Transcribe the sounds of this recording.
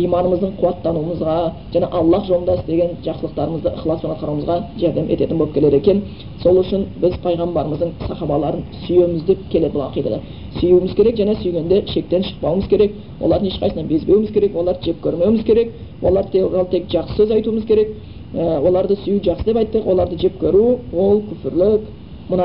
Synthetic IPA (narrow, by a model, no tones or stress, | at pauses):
ijmɑnəməzd̪əɴqʰʊwɑt̪ːɑnuəməzʁɑ | ʒ̥ænɑʔɑlˠːɑqʒo̞mˠənd̪ɑsəd̪e̞ɡʲe̞nʒɑqsəlˠəq̚t̪ɑɾəməzd̪əʔəχlˠɑsbonɑt̪̚qʰɑɾuwəməzʁɑʒæɾd̪e̞mʔe̞̰t̪e̞t̪ɪnbolˠəpkʲele̞ɾekʲen | so̞lˠʏʃɪnbɪzpʰɑjʁɑmbɑɾəməzd̪əɴsɑχɑbɑlˠɑɾənsʏjemɪzd̪e̞p̚kʲʰe̞le̞d̪bʊlˠɑqijd̪ɑ̰d̪ɑ | sʏjumɪzkʲʰe̞ɾe̞kʒæne̞sʏjɡʲe̞nd̪e̞ʃe̞k̚t̪e̞nʃə̥q̚pɑwəməzkʲʰe̞ɾe̞k | wo̰lˠɑɾd̪əŋeʃqʰɑjsnɑnbe̞zbe̞wɪmɪzkʲe̞ɾe̞kwo̞lˠɑɾʒe̞p̚kʲʰɵɾme̞wmɪzkʲʰe̞ɾe̞kwʔo̞̰lˠɑɾt̪ʰeɾɑlˠt̪ʰe̞kʒɑqsə̥sɵzɑjt̪uəməzkʲʰe̞ɾe̞k | əwolˠɑɾd̪əsʏjuʒɑqsəd̪epɑjt̪ːəqwo̞lˠɑɾd̪əʒe̞p̚kʲeɾuwo̞lˠkʲʰʏfɪɾlɪk | mʊnɑ